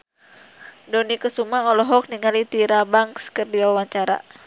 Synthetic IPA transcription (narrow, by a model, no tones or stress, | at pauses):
dɔnikəsumaɔlɔɦɔk̚niŋalit̪iɾabaŋskərdiwawaɲt͡ʃaɾa̰